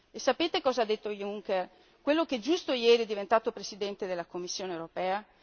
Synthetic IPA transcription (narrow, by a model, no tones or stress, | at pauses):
esːapeːt̪ekɔːzaad̪ːet̪ːojuŋker | kwelːoked͡ʒust̪ojɛːɾiɛd̪ːivent̪aːt̪opɾesid̪ɛnt̪ed̪elːakomːisːjoːnewɾopɛːa